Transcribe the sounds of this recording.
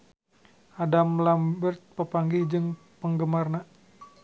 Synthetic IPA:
ʔadamlambərt̪̚pəpaŋɡid͡ʒɨŋ | pəŋɡəmarna

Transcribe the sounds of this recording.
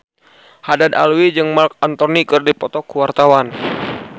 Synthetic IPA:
hadada̰lwid͡ʒɨŋmark̚ant̪ɔnikɨrdipɔt̪ɔkuwart̪awan

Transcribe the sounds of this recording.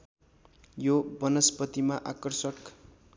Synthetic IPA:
jobʌnʌspʌt̪imaʔakʌrsʌk

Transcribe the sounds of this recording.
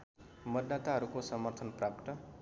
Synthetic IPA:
mʌd̪ːat̪aɦʌɾukosʌmʌrt̪ʰʌnprapt̪ʌ

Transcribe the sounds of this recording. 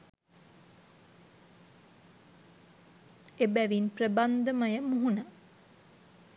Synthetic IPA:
ebæʋinprəband̪əməjəmuɦunə

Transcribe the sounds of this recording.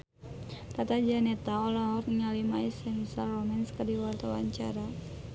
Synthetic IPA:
t̪at̪ad͡ʒanɛt̪aɔlaɦɔrniŋalimaisɛmisalrɔmɛnskadiwart̪awa̰ɲt͡ʃaɾa

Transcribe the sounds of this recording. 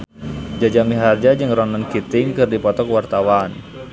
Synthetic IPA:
d͡ʒad͡ʒamiɦard͡ʒad͡ʒɨŋrɔnənkit̪ɪŋkɨrdipɔt̪ɔkwart̪awan

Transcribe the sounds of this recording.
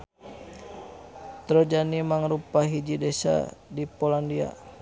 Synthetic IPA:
t̪ɾɔd͡ʒanimaŋɾupaɦid͡ʒidɛsa̰dipolandia̰

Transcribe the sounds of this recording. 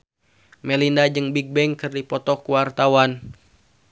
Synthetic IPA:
mɛlindad͡ʒɨŋbiɡ̚bɛŋkɨrdipɔt̪ɔkuwart̪awan

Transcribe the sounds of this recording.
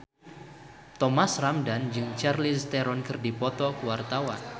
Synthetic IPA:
t̪ɔmasramdand͡ʒɨŋt͡ʃarlist̪ɛɾɔnkɨrdipɔt̪ɔkuwart̪awa̰n

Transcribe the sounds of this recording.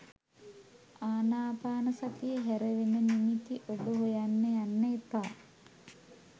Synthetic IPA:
aːnaːpaːnəsat̪ijəɦæɾəʋenənimit̪iʔobəɦojanːəjanːəet̪aː

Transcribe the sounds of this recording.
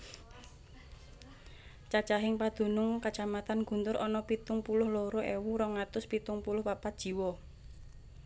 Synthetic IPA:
t͡ʃat͡ʃaɦɪŋpad̪̥ṳnʊŋkat͡ʃamat̪anɡ̥ṳnt̪ʊɾɔnɔpit̪ʊŋpulʊhloɾoʔewuɾɔŋat̪ʊspit̪ʊŋpulʊhpapat̪̚ʒ̥i̤wɔ

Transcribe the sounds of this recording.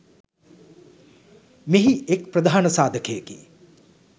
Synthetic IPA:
meɦiekpɾɐd̪ʱaːnəsaːd̪ʱəkʰejəki

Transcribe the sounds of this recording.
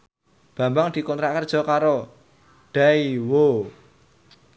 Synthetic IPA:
b̥ä̤mbaŋd̪̥i̤kɔnt̪ɾakərd̥ʒ̥ɔ̤kaɾo | d̪̥aiwo

